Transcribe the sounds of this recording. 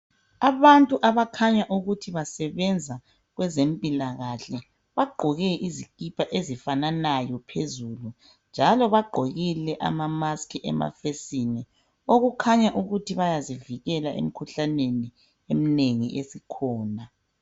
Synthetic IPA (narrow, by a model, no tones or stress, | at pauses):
aβantʼuʔaβakʰaɲaʔuɣutʰiβasɛβɛnd͡zʱa | ɣwɛzempʼilaɣaɬɛ | βaɡ͡ǃʱɔɣɛʔizikʼipʰaʔezifananajɔpʰezulu | nd͡ʒʱalɔβaɡ͡ǃʱoɣilɛʔa̰mamaskʰiʔɛ̰ma̰fesinɛ | oɣukʰaɲaʔuɣutʰiβajaziviɣɛlaʔḛm̩kʰuɬaneni | em̩neŋḭʔesikʰɔːna